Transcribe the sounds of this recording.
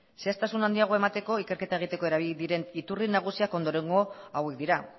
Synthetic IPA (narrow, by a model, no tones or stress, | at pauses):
seast̪asunand̪iaɣ̞oe̞mat̪e̞ko̞ike̞ɾke̞t̪aeɣ̞it̪e̞ko̞e̞ɾaβild̪iɾe̞nit̪urinaɣ̞usiako̞nd̪o̞ɾe̞ŋɡo̞awe̞kd̪iɾa